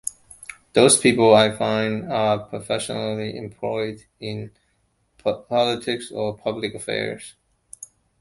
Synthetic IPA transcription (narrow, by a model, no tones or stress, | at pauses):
ðoʊz̥pʰipl̩ˠaɪfãɪ̃ndəpʰɹ̥əfɛʃənl̩ˠiʔɪ̰̃mpʰl̥ɔɪd | ɪ̃n | pʰɑlˠətʰɪksə˞pʰʌblɨkəfɛ̰ɹz̥